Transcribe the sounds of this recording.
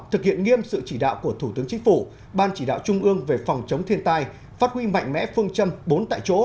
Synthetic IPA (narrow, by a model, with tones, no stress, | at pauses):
t̪ɨ˨˩k̚hḭ˧˨ənŋi˧əmsɨ̰˧˨t͡ɕi˧˩ɗa̰ː˧˨wku˧˩ət̪ʰu˧˩t̪ɨ˨˦əŋt͡ɕï˨˦ŋ̟fu˧˩ | ɓaː˧nt͡ɕi˧˩ɗa̰ː˧˨wt͡ɕʊ˧ŋ͡mʔɨ˧əŋve˨˩fɔ˨˩wŋ͡mt͡ɕə˨˦wŋ͡mt̪ʰi˧ənt̪aː˧j | faː˦˥t̚hwi˧ma̰˧˨jŋ̟mɛ̰˧˥fɨ˧əŋt͡ɕə˧mɓo˨˦nt̪a̰ː˧˨jt͡ɕo̰˧˥